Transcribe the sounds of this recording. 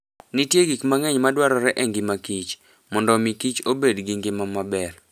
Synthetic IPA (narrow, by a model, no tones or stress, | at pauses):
nitjeɡikmaŋɛɲmadwaɾɔɾɛʔɛŋɡɪmakit͡ʃ | mɔndɔmikit͡ʃobedɡiŋɡɪmamabɛr